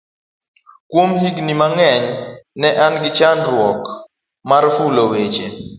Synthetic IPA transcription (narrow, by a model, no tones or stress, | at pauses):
kwomhiɡnimaŋɛɲnɛʔanɡɪt͡ʃanɾwɔk | maɾfulowet͡ʃe